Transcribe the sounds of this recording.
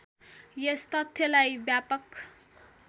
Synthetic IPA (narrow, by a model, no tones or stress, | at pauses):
jest̪ʌt̪ʰjʌlajbjapʌk